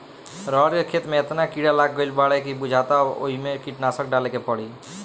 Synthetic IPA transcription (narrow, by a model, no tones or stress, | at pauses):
ɾəɾkekʰet̪meet̪nakiɽalaɡːəɪlbaɽɛkibud͡ʒʱat̪ao̰ɦimekiʈnasəkɖalekepəɽi